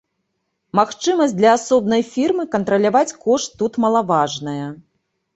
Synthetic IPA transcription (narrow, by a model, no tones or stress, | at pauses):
maxt͡ʂɨmɐsʲd̪lʲɐasɔb̚nɐjfʲirmɨkɐnt̪ɾɐlʲavat͡sʲkɔʂt̪ːut̪mɐlˠavaʐnɐjɐ